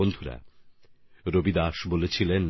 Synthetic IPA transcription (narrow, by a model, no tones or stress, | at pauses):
ond̪ʱuɾa̰ | ɾobid̪aʃbolet͡ɕʰilen